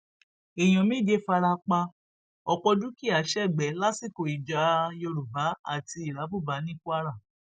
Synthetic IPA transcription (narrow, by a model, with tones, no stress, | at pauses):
e˨j̃ɔ̃˨mĩ˦d͡ʒe˦fa˧ɾa˧k͡pa˧ | ɔ˧k͡pɔ˧du˦ki˦˨a˨˦ʃɛ˦˨ɡ͡bɛ˨˦la˦si˦˨ko˨i˨d͡ʒa˨˧jo˧ɾu˨ba˨˦a̰˦˨ti˧i˨ɾa˨˦bu˦˨ba˨˦nĩ˦ku˦a˦˧ɾa˦˨